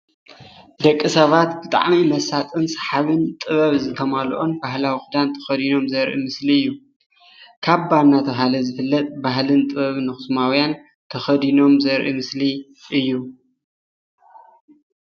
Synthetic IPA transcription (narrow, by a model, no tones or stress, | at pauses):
d̪ɐkʼːisɐβat̪bɨt̪ʼa̰ʕmimɐsat̪ʼɨnsɐ̥ħaβɨnt̪ʼɨβɐβzɨt̪ʰɐmalʔonbahlawixud̪ant̪ʰɐ̥xɐd̪ino̞mzɐɾʔḭmɨsliɨjːu | kʰaβbanːat̪ʰɐβɦalɐzɨfɨlːɐt̪ʼbaɦlɨnt̪ʼɨβɐβɨnɨxɨsmawjan | t̪ʰɐxɐd̪ino̞mzɐɾʔḭmɨsli | ʔɨjːu